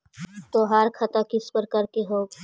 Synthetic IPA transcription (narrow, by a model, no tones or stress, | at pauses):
t̪oːɦaɾkʰɐt̪akɪspəɾkɐɾkeɦoːɡ